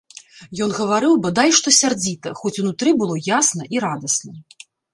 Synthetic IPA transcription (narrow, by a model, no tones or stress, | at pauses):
jɔnɣɐvaɾɨwbɐd̪ajʂt̪ɔsʲard͡zʲit̪ɐxɔt͡sʲunut̪ɾɨbɨlˠɔjasnɐʔiɾad̪ɐsnɐ